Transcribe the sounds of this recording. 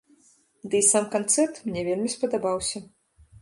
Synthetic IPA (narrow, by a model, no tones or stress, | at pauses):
d̪ɨisamkant̪sɛrt̪mnʲɛvʲelʲmʲispɐd̪abawsʲɐ